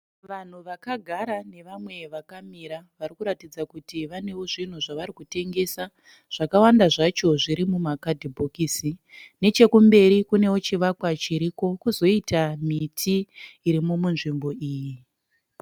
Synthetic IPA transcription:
ʋan̤uʋakaɡʱaɾane̞ʋamwe̞ʋakamiɾaʋaɾikuɾatid͡zakutiʋane̞woʐin̤uʐaʋaɾikute̞ŋɡe̞sa | ʐ̥akawandaʐat͡ʃo̞ʐiɾimumakadʱibʱokisine̞t͡ʃe̞kumbe̞ɾikune̞wo̞t͡ʃiʋakwat͡ʃiɾiko̞kuzo̞itamitʰiːɾimumunʐimbo̞iːji

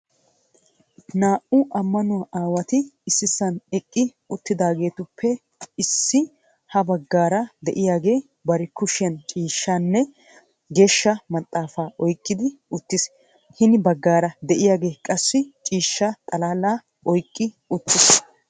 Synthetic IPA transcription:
naːʔʊʔɐmːɐnʊwaʔaːwɐt̪ɪɪsːɪsɐnɛkʼːɪ | ʊt̪ːɪd̪aːɡe̞ːt̪ʊpʰːɛ | ɪsːɪ | hɐbɐɡːaːɾɐd̪ɛʔɪjaːɡe̞ː | bɐɾɛkʊʃɪjɐnt͡ʃʼiːʃːaːnːɛ | ɡe̞ːʃːɐmɐt̪ʼːaːfaːʔɔjkʼːɪd̪ɪʊt̪ːɪs | hɪnbɐɡːaːɾɐd̪ɛʔɪjaːɡe̞ːkʼɐsːɪt͡ʃʼiːʃːɐt̪ʼɐlaːlaː | ʔɔjkʼːɪ | ʊt̪ːɪs

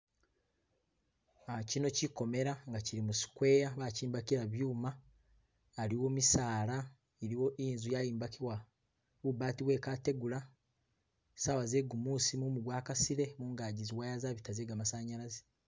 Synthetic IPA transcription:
acino̞ciko̞me̞ɾaŋɡaciɾimusi̥kwe̞ːjaβaciːmbakiɾaβjuːmaː | ɾiwomisaːla | eɾiwo̞ʔinzujajiːmbakiwa | wubaːtiβwe̞ːkate̞ɡula | saβaze̞ɡumuːsimumuɡwaːkasiɾe̞muːŋɡaːɟiziwaːjazaβitaze̞ːɡamasaːɲaɾaze̥

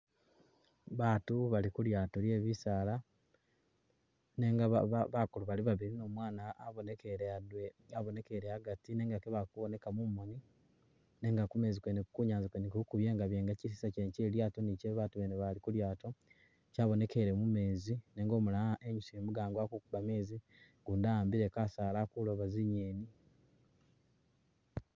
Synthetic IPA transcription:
βaːtuβalikuljaːtolje̞ːβisala | neŋɡaaβakuluβaliβaβiɾino̞ːmwaːnaːβo̞nekeɾeadweaβo̞ne̞keɾehaɡatine̞ːŋɡakeβakuβo̞ne̞kamumoni | ne̞ːŋɡakume̞ːzikweneku̥kuɲaːnzikwenekuukuβjeːŋɡaβjeːŋɡacis̬i̥saceɲceljaːtoniceβaːtuβeneβalikuljaːto̞ | caːβo̞ne̞ke̞ɾemume̞ːzineːŋɡo̞ːmulaaʔeɲusiemuɡaːŋɡwakukuβame̞ːzi | ɡuːndaːmbiɾe̞kasaːlakuloβaziɲeːni

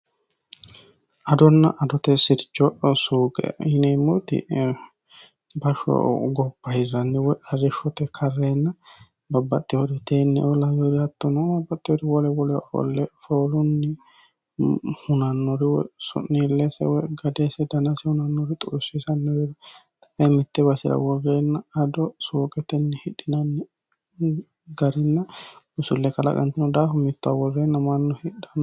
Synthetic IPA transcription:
ʔɐd̪ɔnːɐ̰ʔɐd̪ɔt̪ɛsɪɾt͡ʃʼːɔʔsuːɡɛ̰hɪnɛmːɔt̪ɪ̰ | bɐʃɔ̰ɡɔpːɐhɪzːɐnːɛwɔjʔɐrɛʃɔt̪ɛkʰɐrːeːnːɐ | bɐbːɐt̪ʼːɪɔɾɪt̪ʰeːnːɛ̰ʔɔlɐjɔɾɪɐt̪ːɔnɔɐbːɐt̪ʼːɪjɔɾɪwɔlɛwɔlɛɔ̰lːɛfoːlʊnːɪ | hʊnɐnːɔɾɪw̰sɔ̰nːiːlːɛsɛ̰wɛɡɐd̪ɛsɛd̪ɐnɐsɛhʊnɐnːɔɾɪt̪ʼʊɾsisɐnːɛwɛɾɐt̪ɐ̥ʔɛmɪt̪ːɛbɐsɪɾɐ̰wɔreːnːɐɐd̪ɔsuːkʼɛt̪ɛnːɪhɪᶑɪnɐnːɪ | ɡɐɾɪnːɐ | ʊsʊlːɛkɐlɐ̰kʼɐ̰nt̪ɪnɔd̪aːfʊmɪt̪ːʊawɔrːeːnːɐmanːɔhɪᶑːɐn

